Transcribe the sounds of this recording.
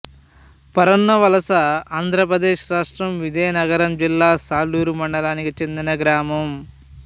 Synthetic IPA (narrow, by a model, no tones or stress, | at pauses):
pɐɾɐnːɐʋɐlɐsɐaːnd̪ʱɾɐp̬ɾɐd̪eːʃɾaːʂʈɾɐmʋid͡ʒɐjɐnɐɡɐɾɐmd͡ʒilːaːsaːluːɾumɐɳɖɐlaːnikit͡ʃe̞nd̪inɐɡɾaːmɐm